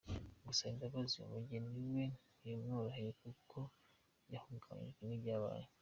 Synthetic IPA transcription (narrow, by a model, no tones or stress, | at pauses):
ɡusaindaβazijo̰muɟeniwen | ujomnuɾahiɾekukʰo | jahuɡaβa̰ɲ̰ʒɡwenibɟaːβa̰ːɲe